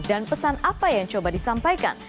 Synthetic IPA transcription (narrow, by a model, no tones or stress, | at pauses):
danpəsanapajaŋt͡ʃobadisampajka̰n